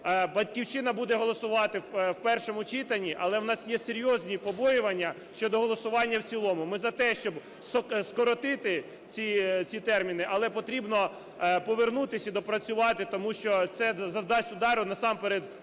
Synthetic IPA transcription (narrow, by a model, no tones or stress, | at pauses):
bɐtʲkʲiwt͡ʃɪnɐbud̪ɛɦɔlˠɔsʊʋɑt̪ɪwpɛrʃɔmʊt͡ʃɪt̪ɐnʲiʔɐlˠɛwnɑsjɛseɾʲjɔzʲnʲipɔbɔjʊʋɐnʲːɐ | ʃt͡ʃɔd̪ɔɦɔlˠɔsʊʋɑnʲːɐwt͡sʲilˠɔmʊmɪzɐt̪ɛʃt͡ʃɔb | sskɔɾɔt̪ɪt̪ɪ | t͡sʲit͡sʲit̪ɛrmʲinɪʔɐlˠɛpɔt̪ɾʲibnɔ | pɔʋernut̪ɪsʲid̪ɔpɾɐt͡sʲʊʋɑt̪ɪt̪ɔmuʃt͡ʃɔt̪sɛzɐwd̪ɑsʲʊd̪ɑɾʊnɐsɑmpeɾed̪